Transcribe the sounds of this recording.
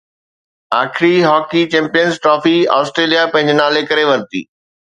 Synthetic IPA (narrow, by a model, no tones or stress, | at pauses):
aːkʰɪɾiɦɔːkit͡ɕɛ̃ːmpijənzʈɾɔːfia̰ːsʈɾeːlijapɐ̃ɦɪ̃ɲd͡ʑenaːlekɐɾeʋɐɾt̪ḭː